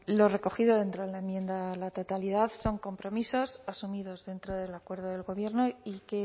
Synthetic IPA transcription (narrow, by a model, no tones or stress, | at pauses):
lo̞re̞ko̞xiðo̞ðe̞nt̪ɾoðelaemje̞nd̪alat̪o̞t̪aliðaθso̞ŋko̞mpɾo̞miso̞sasumiðo̞zðe̞nt̪ɾo̞ðe̞lakwe̞ɾðoðe̞lɣo̞βje̞ɾnoike̞